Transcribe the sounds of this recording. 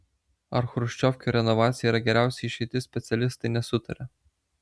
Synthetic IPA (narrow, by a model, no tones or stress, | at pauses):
ɐɾxɾʊʃʲt͡ʃʲɔfʲkʲoːɾʲɛnɔʋɑːt̪sʲɪjɛiːɾɐɡʲɛɾʲæˑʊsʲɛɪʃʲɛɪt̪ʲɪsʲpʲɛt̪sʲɛlʲɪst̪ɐɪnʲɛsʊt̪ɐɾʲɛ